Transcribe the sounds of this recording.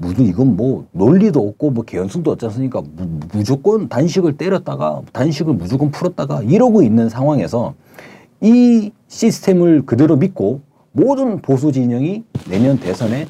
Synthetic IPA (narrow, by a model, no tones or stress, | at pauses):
muduiɡʌnmwʌnoʎːidoʌk̚k͈omwʌke̞jʌnsʰuŋdoʌt̚t͡ɕ͈as͈ɯɲik͈amud͡ʑok͈ʌntanɕʰiɡɯɭt͈eɾjʌt̚t͈aɡa̰tanɕʰiɡɯɭmud͡ʑokʌnpʰuɾʌt͈̚aɡaiɾʌɡoinːɯnsʰaŋwaŋe̞̰sʰʌ | i | ɕʰisʰɯ̥tʰe̞mɯɭkɯdɯɾomit̚k͈o | modɯnpos̬ʰud͡ʑiɲʌŋine̞mjʌnte̞sʰʌne̞